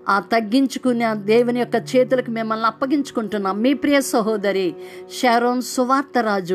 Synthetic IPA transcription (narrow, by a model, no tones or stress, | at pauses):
aːt̪ɐɡːiɲt͡ʃukuniaːd̪ɛːʋunijɔkːɐt͡ʃɛːt̪̬ulɐkumimːɐlːɐpːɐɡiɲt͡ʃu̥kuɳʈunːaːmːiːpɾijɐsɐɦɔːd̪ɐɾiʃɛːɾoːnsuʋaːɾt̪ɐɾaːd͡ʒu